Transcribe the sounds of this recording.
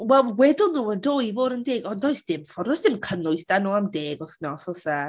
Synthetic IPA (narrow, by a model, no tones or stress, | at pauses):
wɛlˠwɛdʊnuːəndoːivoːdəndeːɡɔndɔjsd̥ɪmfɔdɔsd̥ɪmkʰənʊjsd̥anuamdeːɡʊθnɔsɔsa